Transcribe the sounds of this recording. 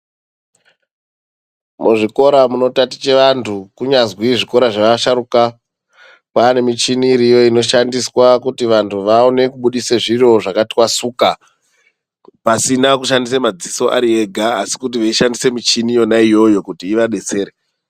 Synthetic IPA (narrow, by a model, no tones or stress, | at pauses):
muʐiko̞ɾamuno̞tati̥t͡ʃe̞ʋantʰukuɲazwiʐiko̞ɾaʐaʋaʃaɾuka | paːne̞mit͡ʃiniːɾijo̞ino̞ʃandiswakutiʋantʰuʋaone̞kuɓuɗiseʐiro̞ʐakati̥kwasuːka | pasinakuʃandisemad͡ziso̞ʔa̰ɾie̞ɡʱaːsi̥kutiʋeiʃandise̞mit͡ʃinijo̞naijo̞jo̞kutiːʋaɗe̞t͡se̞ːɾe